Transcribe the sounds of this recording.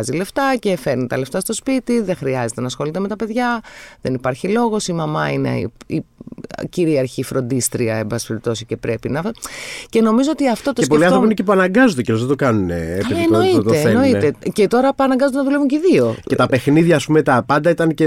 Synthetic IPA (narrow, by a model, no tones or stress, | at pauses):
zile̞ft̪ɐce̞fe̞ɾnit̪ɐle̞ft̪ɐst̪o̞spit̪iðẽ̞xɾiɐze̞t̪e̞nɐːsxo̞lit̪e̞me̞t̪ɐpe̞ðʝɐðe̞nipɐɾçilo̞ɣo̞simɐmɐinḛiciɾiɐɾçifɾo̞nd̪ist̪ɾiɐe̞mbɐspeɾip̚t̪o̞sice̞pɾe̞pinɐce̞no̞mizoot̪iɐft̪o̞t̪oepoliɐ̃nɾopinecep̬uɐnɐŋɡɐzod̪ecelozðt̪okɐnunḛːienoiott̪eeno̞it̪ecet̪o̞ɾɐpɐnɐŋɡɐzod̪enɐðulevuɲceiðio̞et̪ɐpe̞xniðʝɐːspumet̪ɐpɐnd̪ɐit̪ɐnce